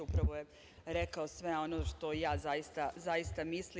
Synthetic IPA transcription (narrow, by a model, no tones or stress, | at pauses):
upɾaʋoje | ɾekaosʋe̞o̞noʃt̪o̞jaːzajist̪azajist̪amisli